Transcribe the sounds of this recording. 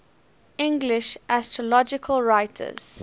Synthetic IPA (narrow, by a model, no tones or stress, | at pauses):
ɪ̃ŋɡlɪʃʔæstɹɔlɔd͡ʒɪkʰəlˠɹaɪtʰə̰z̥